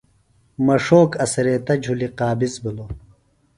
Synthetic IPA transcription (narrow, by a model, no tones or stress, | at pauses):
mɐʂoːkɐsɾeːt̪ɐd͡ʑʱuliqaːbisbilo